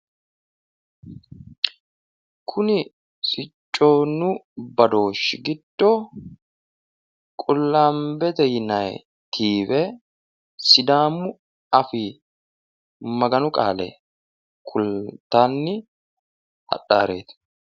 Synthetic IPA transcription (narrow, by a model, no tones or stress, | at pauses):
kʰʊnɪ | sɪt͡ʃʼːoːnːʊbɐd̪o̞ːʃɪɡɪd̪̥ːo | kʼʊlːaːmbɛt̪ɛjɪnɐj | t̪ʰiːbɛ | sɪd̪aːmʊ | ɐfɪ | mɐɡɐnʊkʼa̰ːlɛ̰ | kʰʊlt̪aːnːɪ | hɐ̰ɗaːɾe̞̰ːt̪